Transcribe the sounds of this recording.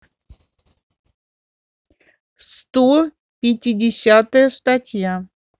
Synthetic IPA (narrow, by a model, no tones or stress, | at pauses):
st̪o | pʲɪtʲɪdʲɪsʲat̪əjəst̪ɐtʲja